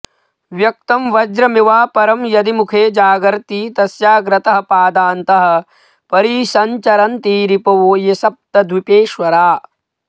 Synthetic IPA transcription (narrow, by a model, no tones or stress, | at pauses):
ʋjɐk̚t̪ɐmʋɐd͡ʒɾɐmiʋaːpɐɾɐmjɐd̪imukʰeːd͡ʒaːɡɐɾt̪iːt̪ɐsjaːɡɾɐt̪ɐɦɐpaːd̪aːnt̪ɐɦɐ̆ | pɐɾiːʃɐɲt͡ʃɐɾɐnt̪iːɾipɐʋoːjesɐp̚t̪ɐd̪ʋipeːʃʋɐɾaː